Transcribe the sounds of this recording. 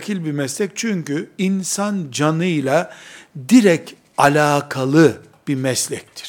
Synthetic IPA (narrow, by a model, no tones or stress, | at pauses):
kʰilʲbimɛslʲɛc̚t͡ʃʰyɲcyinsand͡ʒanɯjlˠad̪iɾɛc | alʲaːkʰalˠɯ | b̥imɛslʲɛc̚t̪ʰi̥ɾ̥